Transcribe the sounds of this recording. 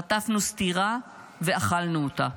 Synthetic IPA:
at̪afnust̪iʁa | veaχalnuot̪a

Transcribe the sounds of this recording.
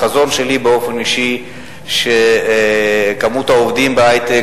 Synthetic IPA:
azo̞nʃe̞libeo̞fe̞niʃi | ʃe | kamut̪aovd̪imbeajt̪e

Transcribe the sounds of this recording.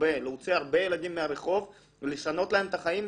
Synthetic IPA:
be̞leut͡seaʁbe̞jelad̪imːeaʁeχo̞v | veleʃano̞t̪lae̞mt̪aχaim

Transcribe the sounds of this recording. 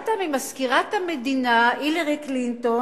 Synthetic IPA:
t̪amimaskiʁat̪hamed̪inaileʁiklint̪o

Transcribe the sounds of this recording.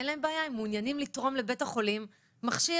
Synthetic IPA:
enlae̞mbeajaimːunjanimlit̪ʁo̞mle̞be̞thaχo̞limː | aχʃi

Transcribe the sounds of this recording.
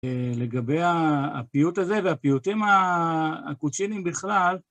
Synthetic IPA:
le̞ɡabeja̰ːpijut̪aze̞veapijut̪imaː | kut͡ʃinimbiχlal

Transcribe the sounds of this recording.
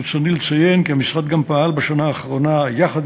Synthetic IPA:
t͡sonilet͡saje̞nkiamisʁat̪̚ɡampahalbaʃanaːχʁo̞najaχad̪

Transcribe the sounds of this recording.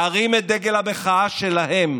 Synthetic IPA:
aʁimed̪eɡelabeχaaʃelahe̞m

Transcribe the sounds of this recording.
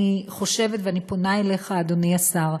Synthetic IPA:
iχo̞ʃe̞vetveanipo̞naele̞χaːd̪o̞niasaʁ

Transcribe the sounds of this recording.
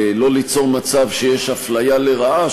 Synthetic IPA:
lo̞lit͡so̞ʁmat͡savʃe̞jeʃaflajaleʁaʔa

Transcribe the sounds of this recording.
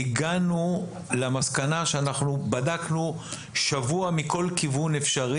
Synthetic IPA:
iɡanu | lamaskanaʃeanaχnubadaknu | ʃavuamiko̞lkivunefʃaʁi

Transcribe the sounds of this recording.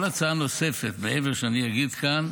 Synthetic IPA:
lat͡saano̞se̞fet̪beʔeveʁʃeanijaɡid̪kan

